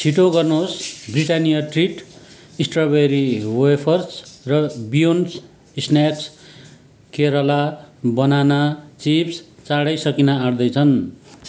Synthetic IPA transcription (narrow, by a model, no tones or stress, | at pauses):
sʰiʈoɡʌrnosbriʈanijʌʈriʈ | isʈrʌbeɾiwoepʰʌrsrʌbijons | isnaks | keɾʌlabʌnanat͡sipst͡saɽʌjsʌkinaaɽd̪ʌjt͡sʰʌn